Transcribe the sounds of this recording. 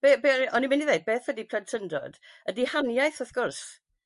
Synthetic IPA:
b̥eːbeɔnimɪniðejd̚beːθwədipʰlɛntʰəndɔ̰d̥ədihanjajθɛθɡ̥ʊrs

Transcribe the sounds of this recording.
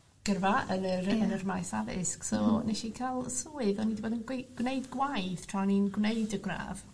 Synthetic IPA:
ɡ̥ərvaənəənərmajsavɪ̰sksɔnɛʃikʰalˠsuːɪðɔnidiboːdənɡeɡ̥wnejdɡwajθtʰraninɡwnejdəɡra̰ːv

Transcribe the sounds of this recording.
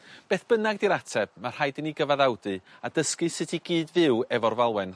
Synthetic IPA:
b̥eːθb̥ənaɡ̚diɾatʰɛb̥̚mar̥hajdɪniɡəvaðawdɨadəskɨsɪtʰiɡiːdvɨwɛvɔrvalˠwɛn

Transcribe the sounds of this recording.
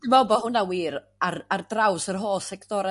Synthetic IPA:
d̥ɪmɔbɔhʊnawiːɾ | arardrawsərɦoːsɛkʰd̥ɔɾa

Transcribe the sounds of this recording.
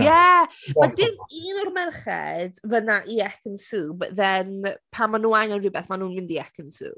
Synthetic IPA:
jɛmadɪmiːnʊrmɛlˠχɛ̰dvənaʔiɛkʰənsuːbðɛnpʰamːanuːaŋanrɪbɛθmanuːnmɪndiɛkʰənsṵː

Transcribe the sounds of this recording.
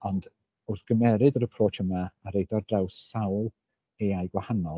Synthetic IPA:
ɔnd | ʊrθɡ̥əmɛɾɨdəɾəpʰroːtʰəmaːɾejdardrawssawlˠ | eajɡwahanɔ

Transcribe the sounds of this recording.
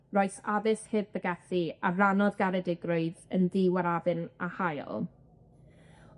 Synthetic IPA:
rɔɨsaðɨshɨd̚bəɡɛθiaranɔðɡaɾɛdɪɡrʊɨðənðɪwaɾavɨnahajɔ̰lˠ

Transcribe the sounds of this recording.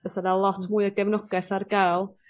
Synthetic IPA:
əsaðalˠɔtʰmuɨəɡɛvnɔɡ̥ɛθarɡalˠ

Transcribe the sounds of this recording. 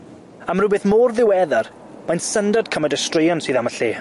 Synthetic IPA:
amrʊbɪθmɔːrðɪwɛðar | mansəndadkʰəmɔdəstrejɔnsɨːðaməɬeː

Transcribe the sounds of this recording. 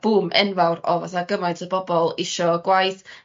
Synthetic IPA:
b̥ʊmʔɛ̰nvawɾɔvaθaɡəmajntʰəbɔbɔlˠɪʃɔɡ̥wajθ

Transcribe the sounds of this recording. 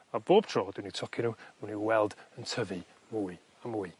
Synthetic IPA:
aboːb̚tʰrɔːdwɪnitʰɔkʰinuːdniwɛlˠdəntʰəvi | muːɨ | amuːɨ

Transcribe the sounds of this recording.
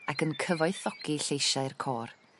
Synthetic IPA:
akənkʰəvɔɨθɔkiɬejʃaɨrkʰɔːr

